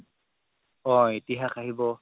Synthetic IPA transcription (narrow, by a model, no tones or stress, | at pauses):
ɔ̃etiɦaxaɦibɔ